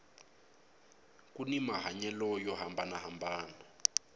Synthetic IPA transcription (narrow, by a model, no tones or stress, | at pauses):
kʼunimaɦaɲɛlɔjɔɦambanaɦambaːna